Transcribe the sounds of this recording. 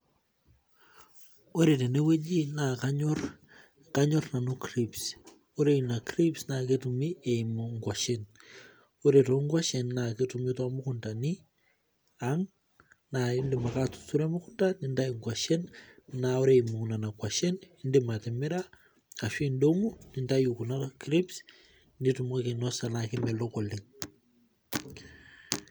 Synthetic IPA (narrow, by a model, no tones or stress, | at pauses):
oɾetenewed͡ʒinakaɲɔɾ | kaɲɔrnanukɾips | oɾeinakɾipsnaketumiemuŋɡwaʃen | oɾetoŋɡwaʃɛnːaketumitoamukuntani | aŋ | naindimakatu̥suɾemukundanindaiŋɡwaʃɛnnaoɾemukunanakwaʃenindimatemɪɾa | aʃindoŋunindajukunakɾips | nitumokenɔsanakimɛlɔkɔliŋ